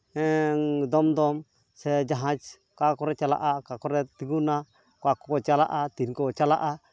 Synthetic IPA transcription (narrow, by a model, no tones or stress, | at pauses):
ɛŋd̪ɔmd̪ɔm | sɛd͡ʒaɦãd͡ʒ | kakɔɾɛt͡ʃala̰ʔakakɔɾɛt̪iɡuna | kwakɔɔt͡ʃalaʔat̪inkɔɔt͡ʃala̰ʔa